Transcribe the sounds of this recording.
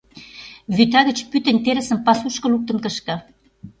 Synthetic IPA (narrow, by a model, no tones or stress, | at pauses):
βyt̪ɑɣə̆t͡ɕpyt̪ə̆nʲt̪eɾə̆sə̆mpɑsuʃkɤ̆luk̚t̪ə̆nkə̆ʃkɤ̆